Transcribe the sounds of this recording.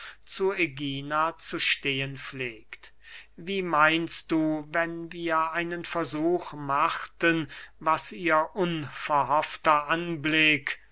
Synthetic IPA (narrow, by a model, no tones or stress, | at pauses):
t͡sueɡiːnat͡suʃteːənfleːkt | viːmaɪnst̚d̥uːvɛnviːɐʔaɪnənfɛɐzuːxmaxtənvasiːɐʔʊnfɛɐɦɔftɐʔanblɪk